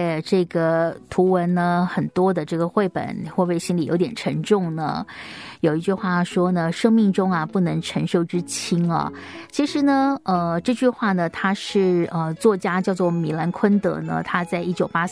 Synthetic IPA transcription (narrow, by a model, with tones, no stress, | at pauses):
ʈ͡ʂɤ˥˩ɡə˩t̪ʰu˧˥wə˧˥nnə˧xə˨˩nt̪wɔ˥d̪ə˨ʈ͡ʂɤ˥˩ɡə˩xwe˥˩ɪpə̰˨˩˦nxwɔ˥˧pe˥˩ɪɕi˥nli˨˩jo˧˥t̪̬jɛ˨˩nʈ͡ʂʰə˧˥ŋʈ͡ʂʊ˥˩ŋnə̰˩jo˨˩ʊi˧˥t͡ɕy˥˧xwa˥˩ʂwɔ˥nə˨ʂɤ˥ŋmi˥˩ŋʈ͡ʂʊ˥ŋɐ˨pu˥˩nɤ˧˥ŋʈ͡ʂʰə˧˥ŋʂo˥˧˩ʊʈ͡ʂɻ̩˥t͡ɕʰi˥ŋɐ̰˨˩ | t͡ɕʰi˧˥ʂɻ̩˧˥nə˧ə˧ʈ͡ʂɤ˥˧t͡ɕy˥˧xwa˥˩nə˩t̪ʰa˥ʂɻ̩˥˩ə˧t͡swɔ˥˩t͡ɕja˥t͡ɕjɑ˥˧ʊt͡swɔ˥˩mi˧˥la˧˥nkʰwə˥nt̪ɤ̰˧˥nə̰˧t̪ʰa˥t͡sa˥˧ɪʔi˥t͡ɕjo˨˩ʊpa˥